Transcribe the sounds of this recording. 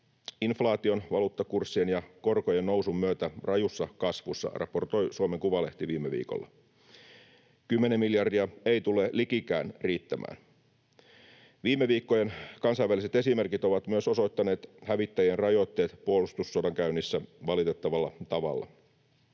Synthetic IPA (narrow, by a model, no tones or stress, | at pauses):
inflɑːt̪io̞nʋɑluːt̪ːɑkursːienjɑko̞rkojenno̞wsummyøt̪ærɑjusːɑkɑsʋusːɑ̰rɑ̰po̞rt̪o̞jsuomeŋkuʋɑle̞ht̪iʋiːmːeʋḭːko̞̰lːɑ̰ | kymːe̞nemiljɑrdiɑe̞jt̪ulelikikæ̰ːnriːt̪ːæmʔæ̰ːn | ʋiːmːeʋiːkːo̞jenkɑnsɑjʋælise̞t̪e̞sime̞rkit̪o̞ʋɑt̪myøso̞so̞jt̪ːɑne̞ːt̪hæʋit̪ːæjenrɑjo̞t̪ːe̞ːt̪puolust̪usːodɑŋkæynːisːæʋɑlit̪e̞t̪ːɑʋɑlːɑt̪ɑʋɑ̰lːɑ̰